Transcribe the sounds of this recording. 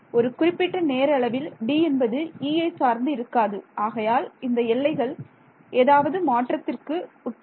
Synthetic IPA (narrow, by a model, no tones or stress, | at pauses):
ɔɾɯkʊrɪpːɪʈːɐneːɾɐɭɐʋɪlɖiːɛnbɐðɯiːɐɪsaːɾnd̪ɯɪɾɯkːaːðɯʔaːɣɐjaːlɪnd̪ɐɛɭːɐɪɣɐɭ | ʔeːðaːʋɐðɯmaːʈrɐt̪ːɪrkɯ | ʊʈp